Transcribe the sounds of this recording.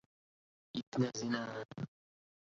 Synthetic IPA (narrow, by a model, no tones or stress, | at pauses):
it̪nazina